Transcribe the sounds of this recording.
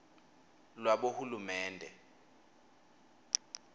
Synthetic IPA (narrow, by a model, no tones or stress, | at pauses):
lwaɓohulumɛːndʱɛ